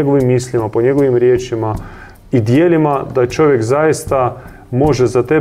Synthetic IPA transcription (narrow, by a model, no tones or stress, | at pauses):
eɡo̞ʋimːislimapo̞ɲeɡo̞ʋimɾje̞ːt͡ʃima | id̪jeːlimad̪at͡ʃo̞ʋje̞kzajist̪a | mo̞ʒezat̪e